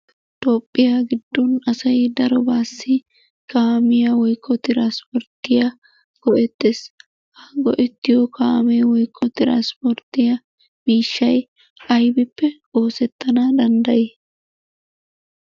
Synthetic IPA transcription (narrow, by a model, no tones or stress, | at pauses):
t̪oːpʼːɪjaɡɪd̪ːunɐsɐjd̪ɐɾɔbaːsːi | kaːmɪjɐwɔjkʰːɔt̪ɪɾanspɔɾt̪ːɪja | ɡ̥ɔʔɛt̪ːeːs | ʔɐɡɔʔɛt̪ːɪjokaːmeːwɔjkːɔt̪ɪɾa̰ːnspɔɾt̪ɪjɐ | miːʃːɐj | ɐjbɪpːɛ | o̞ːsɛt̪ːɐnad̪ɐnd̪ɐjeː